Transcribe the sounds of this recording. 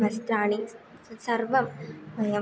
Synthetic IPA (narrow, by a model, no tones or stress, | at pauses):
ɐst̪ɾaːniŋs | sɐɾʋɐmɐjɐ